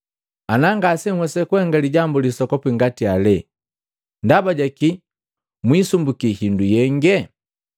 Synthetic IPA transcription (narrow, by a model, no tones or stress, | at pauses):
anaŋɡasɛmwɛsɛkuɛŋɡaliɟambulisɔkɔpiŋɡatialɛ | ndabaɟaki | mwisumbukihindujɛŋɡɛ